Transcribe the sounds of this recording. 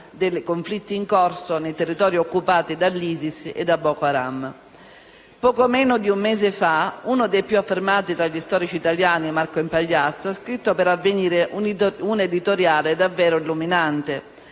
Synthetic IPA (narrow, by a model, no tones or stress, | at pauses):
d̪elkoɱflit̪ːiːŋkoɔrsonejt̪erːit̪ɔːɾjiokːupaːt̪id̪alːiːzisḛd̪abːɔkoaɾa̰m | pɔːkomɛːnod̪iumːɛːzefaunod̪ejpjuafːermaːt̪it̪ɾaʎːist̪ɔːɾit͡ʃiːt̪aljaːnimarkoimpaʎːat̪sːoɛskɾit̪ːopeɾavːeniːɾeʔuned̪it̪oɾjaːled̪avːɛːɾoilːuminant̪e